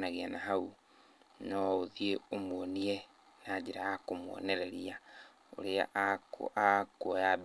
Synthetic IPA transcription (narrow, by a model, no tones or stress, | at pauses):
naɣeanaɦau | nɔoðieomwɔniɛ | naːd͡ʑeɾaakomwɔ̰nɛɾɛɾia | o̰ɾea̰ʔkʔakwɔjab